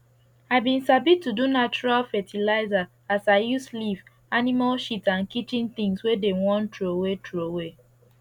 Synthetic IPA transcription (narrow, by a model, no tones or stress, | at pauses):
aɪbĩnsabitːudunat͡ʃuɹalfɛtʰilaɪza | asaɪjusliv | animalʃitãnkit͡ʃĩnt̪ĩŋswedewɔ̃ntɹowetɹowe